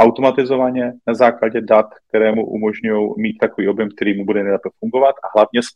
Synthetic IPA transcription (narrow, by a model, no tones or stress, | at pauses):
ʔawt̪o̞mat̪ɪzo̞vaɲɛnazaːklaɟɛdat̪k̚t̪ɛɾɛːmṵʔṵmo̞ʒɲujowmiːt̪t̪akoviːʔo̞bjɛmk̚t̪ɛɾiːmubudɛnɛjlɛpɛfuŋɡo̞vat̪ʔaɦlavɲɛs